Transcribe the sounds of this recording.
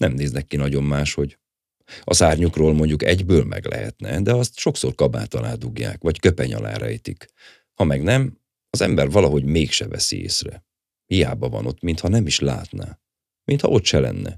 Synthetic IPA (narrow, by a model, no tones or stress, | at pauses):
nʔɛmneːznɛkːinɒɟo̞mːaːʃho̞ɟ | ɒsaːrɲukroːlmo̞ɲɟukɛɟbøːlmʔɛ̰ɡlɛ̰ɦɛ̰t̪nɛd̪ɛɒst̪ʃo̞ksorkɒba̰ːt̪ɒnaːd̪uɡja̰ːkʋɒckøpɛɲɒ̰la̰ːɾɛjt̪ik | hɒmɛɡnɛm | ɒzɛmbɛrvɒlɒɦo̞ɟmeːkʃɛvɛsiḛːsrɛ | hijaːbɒvɒ̰no̞t̪mint̪hɒnɛmiʃla̰ːt̪naː | mint̪hɒ̰ʔo̞t̪ʃɛlɛnːɛ̰